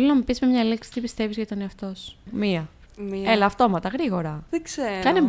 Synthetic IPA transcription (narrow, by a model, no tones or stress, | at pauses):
linɐmupismemɲɐliksi̥t̪ipist̪e̞vizʝɐt̪oneɐft̪o̞smiɐ | ielɐːft̪o̞mɐt̪ɐɣɾiɣo̞ɾɐðeɡsekɐne